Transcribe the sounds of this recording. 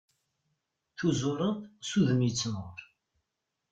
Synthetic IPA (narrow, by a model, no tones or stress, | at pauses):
θuzʊɾˤənθsuðəmjət͡sːmʁʊɾˤ